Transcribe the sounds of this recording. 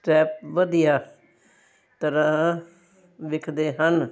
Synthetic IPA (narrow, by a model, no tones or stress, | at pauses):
ʈɛːp̚ʋəd̪ijaː | t̪əɾãː | ʋɪkʰd̪eːɦən